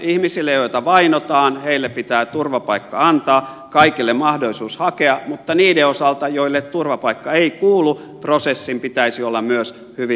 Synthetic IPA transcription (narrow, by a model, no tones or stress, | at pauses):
ihmisilːejoit̪ɑʋɑinot̪ɑːnheilːepit̪æːt̪urʋɑpɑikːɑ̰ɑnt̪ɑː | kɑikilːemmɑhdoisuːshɑkeɑmut̪ːɑniːdeosɑlt̪ɑjoilːet̪t̪urʋɑpɑikːɑeikuːlu | prosesːimpit̪æisiolːɑmmyøs | hyʋi